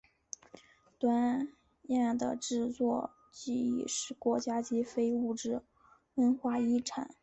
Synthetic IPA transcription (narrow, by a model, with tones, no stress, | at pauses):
t̪wa˥n | ja˥˩nd̪ə̰˩ʈ͡ʂɻ̩˥˧t͡swɔ˥˧ | t͡ɕi˥˩ḭ˨˩ʂɻ̩˥˩kwɔ˧˥t͡ɕja˥t͡ɕi˧˥fe˥ɪu˥˩ʈ͡ʂɻ̩˥˩ | wə˥nxwa˥˩i˥˩ʈ͡ʂʰa̰˨˩˦n